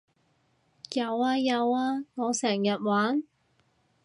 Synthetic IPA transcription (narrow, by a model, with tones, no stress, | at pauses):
jɐ˨˧waː˧jɐ˨˧waː˧ŋɔː˨˧sɛː˨˩ŋjɐ˨t̚waː˨˥n